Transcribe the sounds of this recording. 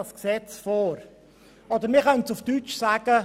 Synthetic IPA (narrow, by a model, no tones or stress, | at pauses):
ɑsksɛt͡sfɔːɾ | ɔd̪əɾmɪːɾχœntsuftyt͡ʃsæːɡ̥ə